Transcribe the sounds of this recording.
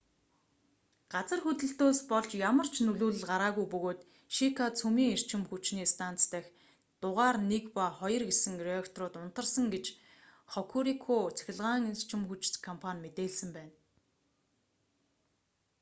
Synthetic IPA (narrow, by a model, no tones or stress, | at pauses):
ɢ̥at͡sə̆rxɵt̪ɘ̆ɬt̪oːspɔɮt͡ɕjamə̆r̥t͡ɕʰnɵɮuːɮɘ̆ɮɢaɾaːɣujpɵɣoːt̪ | ʃikʰat͡sʰumiːŋer̥t͡ɕɪ̆mxut͡ɕniːst̪ʰan̥t͡st̪ʰæːx | t̪ʊʁaːrnekpaχɔjɞ̆rɡesɘ̆ŋriɔkt̪rʊːt̪ʊn̥t̪ə̆rsə̆ŋɡet͡ɕ | χɔkʰuɾikʰoːt͡sʰæ̥xʲɪ̆ɮʁaːŋer̥t͡ɕɪ̆mxut͡ɕkʰːɔmpʰanʲmet̪eːɮsɘ̆mpæːn